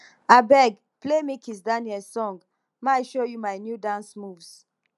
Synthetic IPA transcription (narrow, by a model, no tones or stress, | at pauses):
abɛɡ | plemikʰĩzdaniɛlsɔ̃ŋɡ | maɪʃojumaɪnjudãnsmuvs